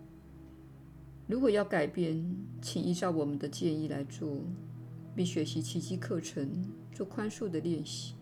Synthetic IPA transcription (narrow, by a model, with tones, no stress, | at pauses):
ɻu˧˥kwɔ˨˩jɑ˥˩ʊka˨˩ɪpjɛ˥˩nt͡ɕʰi˨˩ŋi˥˧ʈ͡ʂɑ˥˩ʊwɔ˨˩mə˦nd̪ə˧t͡ɕjɛ˥˧ni˥˩la̰˧˥ɪt͡swɔ˥˩ | pi˥˩ŋɕɥɛ˧˥ɕi˧˥t͡ɕʰi˧˥t͡ɕi˥kʰɤ˥˩ʈ͡ʂʰə˧˥ŋ | t͡swɔ˥˩kʰwa˥nʂu˥˩d̪ə˨ljɛ˥˧nɕi̥˥˩